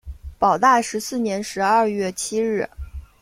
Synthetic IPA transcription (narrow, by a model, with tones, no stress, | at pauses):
pɑ˨˩ʊt̪a˥˩ʂɻ̩˧˥sɹ̩˥˩njɛ˧˥nʂɻ̩˧˥ɐ˥˧ɥɛ˥˩t͡ɕʰi˥ɻɻ̩˥˩